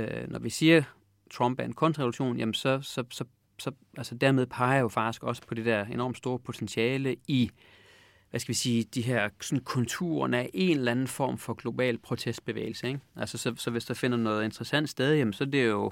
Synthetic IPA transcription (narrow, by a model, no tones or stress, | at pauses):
nɒʋisiːɐ | t͡sʰʁɒ̽mb̥æɐenkʰɔ̽n̰d̥ʁɛʋluɕo̝̰ːnjæmn̩sɒ̽sɒ̽sɒ̽ | sɒ̽ | ʔælsəd̥æɐmeðˠpʰɑ̈ɪɐjo̝fɑ̈ɡ̥d̥isɡ̥ɒ̽sə̥pʰɒ̽d̥e̝d̥æɐ̰e̝nɒ̰ːmd̥sd̥o̝ːɐpʰo̝t͡sʰensiɛːləi | ʋæsɡ̥æʋisiːd̥iɦæɐ̰sɒ̽n̩kʰɔ̽nt͡sʰṵɐ̰næɐʔe̝nlænn̩fɒ̰ːmfɒ̽ɡ̥lo̝b̥ɛ̰ːlpʰʁo̝t͡sʰesd̥̚b̥e̝ʋḛːɪl̩səeɡ̥ʔælsəsɒ̽sɒ̽ʋe̝sd̥ɑ̈fe̝n̰ɐnɔ̽ːð̩ˠe̝nd̥ʁɐsæn̰d̥sd̥eð̞ˠjemnsɒ̽de̝jo̝